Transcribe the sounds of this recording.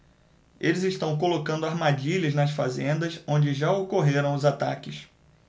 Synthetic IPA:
elɪzɪʃt̪ɐ̃w̃k̬olokɐ̃nd̪ʊaɾmad͡ʒiʎɐznɐsfazẽnd̪ɐsõnd͡ʒɪʒaokoɦeɾɐ̃w̃ʊzat̪a̰kɪs

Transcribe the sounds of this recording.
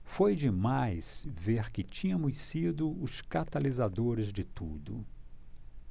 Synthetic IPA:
fojd͡ʒɪmajsveɾkɪt͡ʃĩɲɐ̃mʊssid̪ʊʊskat̪alizad̪oɾɪzd͡ʒɪt̪ud̪ʊ

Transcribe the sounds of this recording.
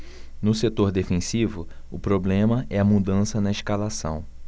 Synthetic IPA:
nʊset̪oɾd̪efẽsivʊ | ʊpɾoblẽmɐɛɐmud̪ɐ̃sɐnɐɪʃkalasɐ̰̃w̃

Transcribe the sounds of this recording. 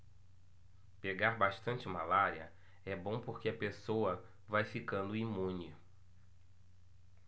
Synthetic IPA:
peɡaɾbaʃt̪ɐ̃nt͡ʃɪmalaɾiɐ̰ | ɛbõw̃poɾkeɐpesowɐ | vajfikɐ̃nd̪ʊimũnɪ

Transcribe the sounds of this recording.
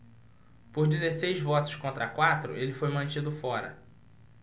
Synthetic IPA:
poɾd͡ʒizesejzvɔt̪ʊ̥skõnt̪ɾɐkwat̪ɾʊ̰ʔelɪfojmɐ̃nt͡ʃid̪ʊfɔɾɐ̰

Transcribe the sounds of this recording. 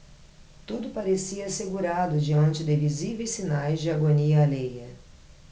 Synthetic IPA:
t̪ud̪ʊpaɾesiɐːseɡuɾad̪ʊd͡ʒiɐ̃nt͡ʃɪd̪evizivejsinajzd͡ʒɪaɡoniɐalejɐ

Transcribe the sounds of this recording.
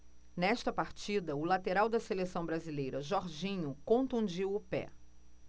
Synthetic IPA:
nɛʃt̪ɐpaɾt͡ʃid̪ɐʊlat̪eɾawd̪ɐselesɐ̃w̃bɾazilejɾɐʒɔɾʒĩɲʊkõnt̪ũd͡ʒiwʊpɛ̰

